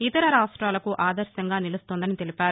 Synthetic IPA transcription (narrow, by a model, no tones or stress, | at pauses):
it̪ɐɾɐɾaːsʈɾaːlɐkuʔaːd̪ɐɾʃɐŋɡaːnilɐst̪oːnd̪ɐnit̪e̞lipʲaːɾu